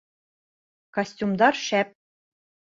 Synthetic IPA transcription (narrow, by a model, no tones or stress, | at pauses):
kosʲtʲumd̪ɑrʃæp̚